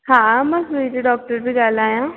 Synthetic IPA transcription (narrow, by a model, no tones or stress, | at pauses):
hãːmɐsuid͡ʒeɖɔːk̚ʈəɾbʱiɡaːlaːjãː